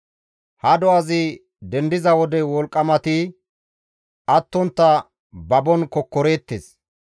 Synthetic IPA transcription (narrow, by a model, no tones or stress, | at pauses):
hɐd̪ɔʔɐzɪ | d̪ɛnd̪ɪzɐwɔd̪ɛwɔlkʼːɐmɐt̪ɪ | ʔɐt̪ːɔnt̪ːɐ | bɐbɔnkɔkːɔɾeːt̪ːes